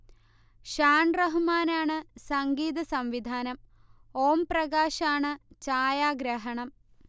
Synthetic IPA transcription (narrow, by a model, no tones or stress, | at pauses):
ʂaːnrɐɦumaːnaːɳɨsɐŋɡiːðɐsɐmʋid̪ʱaːnɐm | oːmprɐɣaːɕaːɳɨt͡ɕaːjaːɡɾɐɦɐɳɐm